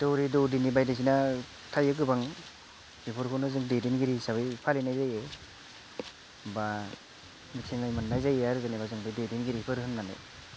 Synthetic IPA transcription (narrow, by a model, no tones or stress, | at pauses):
doɾidɔdinibajdas̬ina | tʰajɯkɯbaŋ | bipʰɯɾkʰonazɯŋdedinɡiɾisaβɯjpʰalinajzaje | ba | mitʰeŋajmanːajzajeaɾɯɡanebazɯŋbɯjdedinɡiɾipʰɯɾɦɯnmanḛ